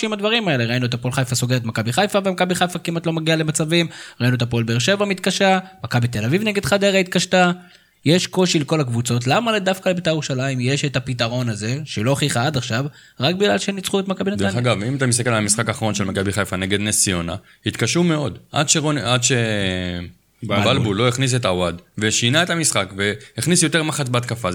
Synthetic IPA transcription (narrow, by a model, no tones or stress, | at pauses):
imad̪vaʁimae̞le̞ʁainuet̪apo̞lχajfaso̞ɡeet̪makabiχajfavemakabiχajfakimat̪lo̞maɡialemat͡savimʁainuet̪apo̞lbeːʁʃe̞vamit̪kaʃamakabit̪e̞lavivne̞ɡe̞d̪χad̪e̞ʁait̪̚kaʃta | je̞ʃko̞ʃileko̞lakvut͡so̞t̬lamaledafkalebet̪ajʁuʃalaimje̞ʃetapit̪aʁo̞naze̞ʃelo̞aχiχaad̪aχʃav | ʁak̚biɡlalʃenit͡sχuet̪makabinadeanaɡavimatamist̪akelalamisχakaːχaʁo̞nʃelmakabiχajfaneɡe̞d̪nesio̞na̰ | hit̪kaʃume̞o̞dʔa̰d̪ʃeʁonad̪ʃe | balbulo̞iχnis̬et̪awadveʃinae̞t̪amisχakve̞hiχnisjo̞t̪e̞ʁmaχat͡sbeat̪̚kafaz